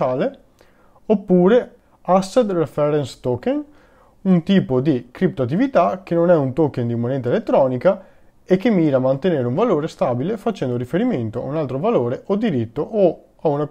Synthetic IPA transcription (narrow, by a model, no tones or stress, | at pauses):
aːle | opːuːɾe | asːed̪refɛɾɛnst̪oken | unt̪iːpod̪ikɾip̚t̪oat̪ːivit̪ak̟enonɛunt̪okend̪imːonɛnt̪aelet̪ːɾɔːnika | ekːemːiːɾaːmant̪eneːɾeuɱvaloːɾest̪abilefat͡ʃɛnd̪oɾifeɾiment̪oa̰unalt̪ɾovaloːɾeʔod̪iɾit̪ːoʔo | auna